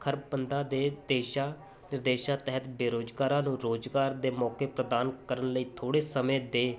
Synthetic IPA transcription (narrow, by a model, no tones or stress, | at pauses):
kʰəɾbənd̪ãːd̪eːd̪eːʃaː | nɪɾd̪eːʃãːt̪ɛɦət̪beːɾoːd͡ʒɡaːɾãːnũːɾoːd͡ʒɡaːɾd̪eːmɔːkeːpɾəd̪aːnkəɾənləiːt̪ʰoːɽeːsəmẽːd̪eː